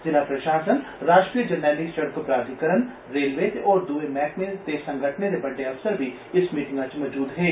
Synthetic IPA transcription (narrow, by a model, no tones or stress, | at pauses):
d͡ʒɪnapɾɐʃaːsənɾaːʃʈɾijəd͡ʒɐɾnɛːliʃɐɽkopɾaːd̪ikəɾən | ɾeːlʋeːt̪ɔːɾd̪uːemɛːkmẽt̪esɐ̃ŋɡʱəʈʰned̪ebɐɖːeɐʋsəɾbʱi | ɪsmiːʈɪ̃ŋɡat͡ʃmɔd͡ʒuːd̪ɦɛː